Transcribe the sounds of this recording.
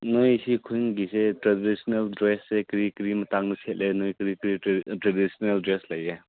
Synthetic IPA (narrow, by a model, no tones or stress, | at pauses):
nojsikʰuŋɡisetɾedisneldɾesːekɾikɾimɐtaŋnisʰet̚lʔenojkɾikɾitɾedisneldɾeslɐje